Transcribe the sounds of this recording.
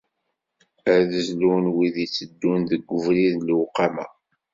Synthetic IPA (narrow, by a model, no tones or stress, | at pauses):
æɾðəzlunwiðit͡sːəd̪ːunðəɡʷːəvɾiðlwqːɑmæ̰